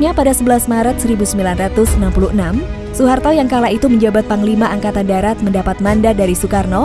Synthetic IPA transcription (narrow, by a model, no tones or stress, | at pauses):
ɲapadasəbəlasmaɾat̪̚səɾibusəmbilanrat̪ʊsənampuluhənam | suɦart̪ajaŋkalaʔit̪uməɲd͡ʒabat̪̚paŋlimaʔaŋkat̪andaɾat̪̚məndapat̪̚mandadaɾisukarnɔ